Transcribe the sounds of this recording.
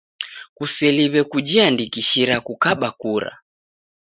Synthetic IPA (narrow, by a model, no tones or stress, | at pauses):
kusɛliβɛkud͡ʒiandikiʃiɾakukaɓakuɾa̰